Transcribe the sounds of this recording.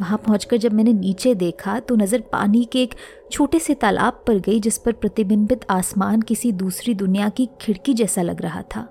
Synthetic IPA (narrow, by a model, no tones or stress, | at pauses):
ʋɐɦãpɐɦʊ̃t͡ʃkɐɾd͡ʒɐb̚mɛːneniːt͡ʃed̪eːkʰat̪onɐzəɾpa̰ːnikeeːk | t͡ʃʰoːʈeset̪aːlʔa̰ːb̚pɐɾɡɐid͡ʒɪspɐɾpɾɐt̪ɪbɪnbɪt̪ʰaːsmaːnkɪsid̪uːsɾid̪ʊnijakikʰɪɽkid͡ʒɛːsalɐ̰ɡɾɐɦa̰t̪ʰa̰ː